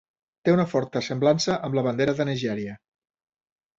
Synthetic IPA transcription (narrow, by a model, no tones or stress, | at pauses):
t̪eunəfɔɾt̪əsəmblansəʔəmləβənd̪eɾəðənəʒɛɾiə